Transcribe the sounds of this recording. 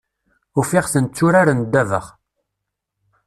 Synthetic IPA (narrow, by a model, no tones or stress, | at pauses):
ʊfiʁθənt͡sːʊɾaɾənd̪ːævə̰ʁ